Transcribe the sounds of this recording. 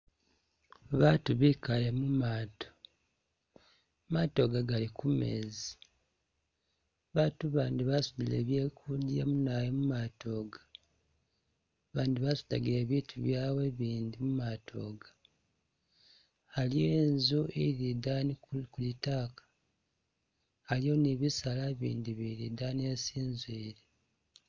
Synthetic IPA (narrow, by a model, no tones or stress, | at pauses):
βatuβikale̞mumaːto̥ | mato̞ːɡaɡalikume̞̰zi | βaːtuβaːndiβasuβile̞̰ːβjeːkʰudja̰munajemumato̞ːɡa | βaːndiβasu̥da̰ɡiɾe̞ːβiːtʰuβjaːwe̞βiːndimumatʰo̞ːɡa | alijeːnzuiɾidanikulitaːkḁ | lioniβisalaβḭːndiβiɾidaneːsiːnzwiːɾe